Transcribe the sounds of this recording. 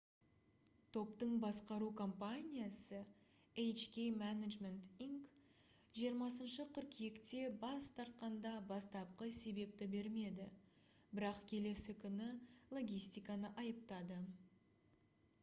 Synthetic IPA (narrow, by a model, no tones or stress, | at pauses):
t̪ʰo̞pt̪əɴbɑsqɑɾukʰo̞mpanʲijasə | ejt͡ʃkʲejmænaʒme̞nt̪iŋk | ʒijəɾmɑsənʃəqʰʏɾkʲʰjekt̪e̞bɑst̪ʰɑɾt̪̚qɑnd̪ɑbɑst̪ɑp̚qəse̞be̞p̚t̪ɪbe̞ɾme̞d̪ɪ | bɪɾɑqkʲʰe̞le̞sɪkʲʰʏnɪlˠo̞ɡʲijst̪ijkɑnəʔɑjəp̚t̪ɑd̪ə